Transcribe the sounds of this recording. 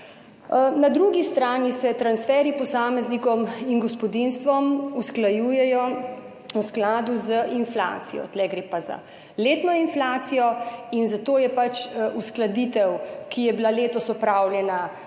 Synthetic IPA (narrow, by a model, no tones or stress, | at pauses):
nad̪ɾuɡist̪ɾaːnisɛt̪ɾansfɛːɾipɔsaːmɛznikɔminɡɔspɔd̪inst̪ʋɔmusklajuːjɛjɔ | usklaːd̪uzəʔinfla̰ːt̪sijɔ̰t̪lɛɡɾeːpaza̰ | leːt̪nɔinflaːt̪sijɔinzat̪oːjɛpat͡ʃʔusklad̪iːt̪ɛwkijɛbilaleːt̪ɔsɔpɾaːwljɛna